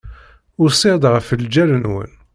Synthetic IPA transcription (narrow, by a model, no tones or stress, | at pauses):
ʊɾsˤiʁd̪ʁəfəld͡ʒælənwə̰n